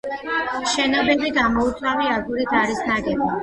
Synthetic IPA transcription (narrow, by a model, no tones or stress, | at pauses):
ʃɛnɔbɛbiɡamɔut̪sʼaviaɡuɾit̪ʰaɾisnaɡʼɛbi